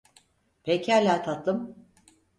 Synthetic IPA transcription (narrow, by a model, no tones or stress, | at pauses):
pʰecælʲaːt̪ʰat̪lˠɯm